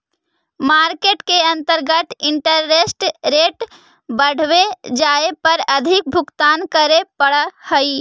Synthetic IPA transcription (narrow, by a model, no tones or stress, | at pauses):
maːɾkeʈkeə̃nt̪əɾɡət̪ɪɳʈəɾːesʈɾeːʈ | bəɽ̤wed͡ʒaːepəɾəd̪ʱɪk̚bʱʊkt̪aːnkəɾepəɽəhəi